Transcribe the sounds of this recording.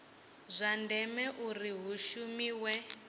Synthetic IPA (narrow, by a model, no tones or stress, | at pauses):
zʷandʱɛmɛʔuriɦuʃumiwɛ